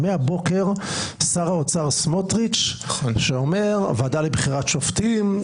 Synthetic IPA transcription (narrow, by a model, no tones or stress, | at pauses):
meabo̞ke̞ʁsaʁaot͡saʁsmotʁit͡ʃʃeomeʁvadalibχiʁatʃoft̪im